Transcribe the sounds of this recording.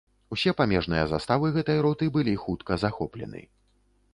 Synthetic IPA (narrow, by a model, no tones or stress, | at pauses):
usʲɛpamʲɛʐnɨjɐza̰st̪avɨɣɛt̪ɐjɾɔt̪ɨbɨlʲixut̪kɐzaxɔplʲɛ̰nɨ̰